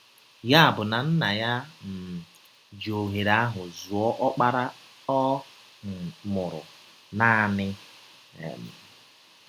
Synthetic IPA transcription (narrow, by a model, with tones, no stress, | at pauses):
ja˦a˨bʊ˨na˨n̩˦na˨ja˦m̩˨ | d͡ʒo˨ɦe˨ɾa˦a˦ɦʊ˨zu˨ɔ˦ʔɔ˦k͡pa˦ɾa˦ | ɔ˦˨ | mʊ˨ɾʊ̰˨ | na˦˨nɪ̰˦˨ | m̩˨